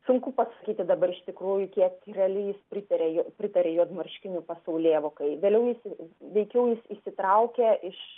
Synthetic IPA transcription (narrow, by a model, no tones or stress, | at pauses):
sʊŋkʊpɐsɐkʲiːt̪ʲɪd̪ɐbɐɾɪʃt̪ʲɪkɾuːjʊkʲiɛkɾʲɛɐlʲɪjɪspʲɾʲɪt̪ɐɾʲeːjopʲɾʲɪt̪ɐɾʲeːjuːɐd̪mɐrʲʃʲkʲɪnʲʊpɐsɐʊlʲeːʋokɐɪʋʲeːlʲɛʊjɪsɪʋʲɛɪkʲɛʊjɪsisʲɪt̪ɾɐʊkʲeɪʃ